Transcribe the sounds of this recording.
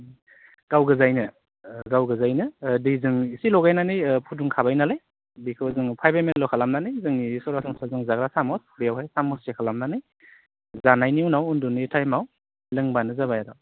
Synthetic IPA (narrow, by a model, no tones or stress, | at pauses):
ɡ̥awɡɯzajnɯ | ɡawɡɯzajnɯdɯjzɯŋisilɔɡajnanɯjpʰuduŋkʰabajnalaj | bikʰɯwzɯŋpʰajbajmenlɔkʰalamnanɯjzɯŋisɔɾasɔŋsazɯŋzaɡɾasamɔsbejawɦajsamɔssekʰalamnanɯj | zanajniunawundunitʰajmaw | lɯŋbanɯzabajadaw